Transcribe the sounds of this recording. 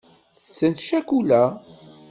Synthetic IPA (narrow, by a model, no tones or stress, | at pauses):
θə̥t͡sːənt̪ʃækulæ